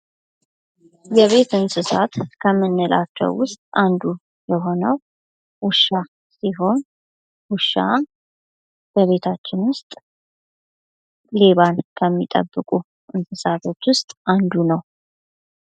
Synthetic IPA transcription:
jɛβe̞t̪ɨnsɨsat̪kʰəmːɨnːɨlʔa̰t͡ʃːɛ̰wːʊst̪ʼand̪u | jɛɦo̞nəw | wʊʃa | siɦo̞n | wʊʃːa̰ | b̥əβe̞t̪ʰat͡ʃːɪnwʊst̪ʼ | le̞βankʰəmːit̪ʼə̰bːɨkʼu | ʔɨnsɨsat̪ʰo̞t͡ʃːwʊst̪ʼʔand̪unəw

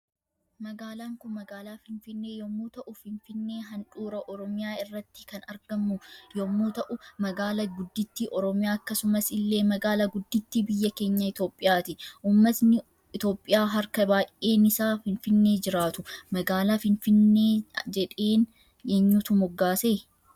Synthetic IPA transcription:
mɐɡaːlaːŋkʊnmɐɡaːlaːfɪnfɪnːe̞ːjɔmːuːt̪ɐʔʊfɪnfɪnːe̞ːɦɐnᶑuːɾɐʔɔɾɔmɪjaːɪrːɐt̪ːɪ̥kɐnɐɾɡɐmːʊjɔmːuːt̪ɐʔʊmɐɡaːlɐɡʊd̪ːɪt̪ːiːʔɔɾɔmɪjaːɐkːɐsʊmɐsɪlːe̞ːmɐɡaːlɐɡʊd̪ːɪt̪ːiːbɪjːɐke̞ːɲːɐɪt̪o̞ːpʼːɪjaːt̪ɪʔuːmːɐsnɪ | ɪt̪o̞ːpʼːɪjaːɦɐɾkɐbaːje̞ːnɪsaːfɪnfɪnːe̞ːd͡ʒɪɾaːt̪ʊmɐɡaːlaːfɪnfɪnːe̞ːd͡ʒɛᶑe̞ːn | jeɲːuːt̪ʊmɔɡːaːseː

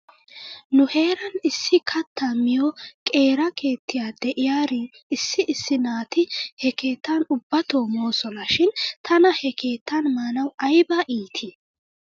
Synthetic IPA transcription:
nʊhe̞ːɾɐnɪsːɪkʰɐt̪ːamɪjɔkʼe̞ːɾɐkʰe̞ːt̪ːɪjaːd̪ɛʔɪjaːɾi | ɪsːɪʔɪsːɪnaːt̪ɪhɛke̞ːt̪ʰːaːnʊbːɐt̪o̞ːmoːsɔnɐʃɪnt̪ʰɐnɐhɛkʰe̞ːt̪ːɐnmaːnɐwɐjbɐʔiːt̪ʰi

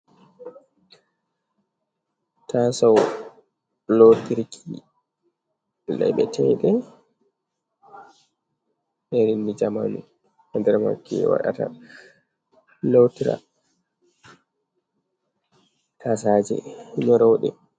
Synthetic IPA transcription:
tʰasaw | lotiɾkʰi | lɛjɓɛtʰɛɗɛ | ɓɛɾinːid͡ʒamanu | andɛɾma̰kːiwa̰ɗa̰ta̰ | lotiɾa̰ | tʰasad͡ʒɛ̰ɲɔɾɔwɗɛ̰

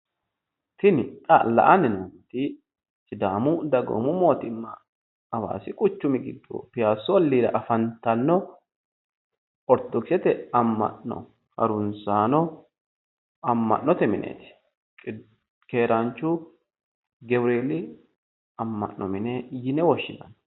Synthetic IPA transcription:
t̪ɪnɪkʼɐlɐ̰ʔɐnɛnoːmt̪ɪ | t͡ʃɪd̪aːmʊd̪ɐɡo̰mʊmo̞ːt̪ɪmːɐ | ɐba̰ːsɪkʼʊt͡ʃːʊmɪɡɪɡːɔ̰pɪjaːsːɔɔlːiːdɐ̰ʔɐfɐnt̪ɐnːɔ | ʔɔɾt̪ːɔkɪsɛt̪ɛɐmːɐ̰ʔnɔ̰ | hɐ̰ɾʊnsaːnɔ | ɐmːɐ̰ʔːɔt̪ɛmɪnʔḛːt̪ɪ̥ | ke̞ːɾɐnt͡ʃːʊ | ɡɛbɾeːlɪ | ɐmːɐ̰ʔːɔmɪnɛjɪnɛwɔʃːɪnɐ̰n

